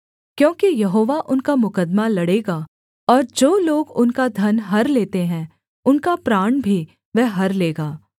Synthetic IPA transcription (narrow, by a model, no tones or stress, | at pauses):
kjõːkijɐɦoːʋaʔʊnkamʊkəd̪malɐɽeːɡaː | ɔːɾd͡ʒoːloːɡʊnkad̪ʱɐnɦɐɾleːt̪eɦɛ̃ | ʊnkapɾaːɳ̃bʱi | ʋɛɦɐɾleːɡaː